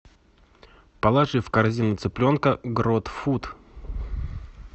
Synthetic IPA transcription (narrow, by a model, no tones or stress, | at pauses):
pɐlˠaʐɨfkɐrzʲinʊt̪sɨplʲo̞nkəɡɾot̪fut̪